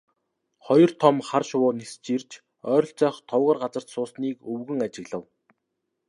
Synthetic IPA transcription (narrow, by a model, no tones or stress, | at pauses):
χɔjɞ̆r̥t̪ʰɔmχarʃʊwʊːnist͡ɕirt͡ɕ | œːɾɞ̆ɬt͡sœːχt̪ʰɔwʁə̆ːrɢat͡sə̆r̥t̪sʊːsniːkɵwɣɘ̆ŋat͡ɕɪ̆ɣɮə̆w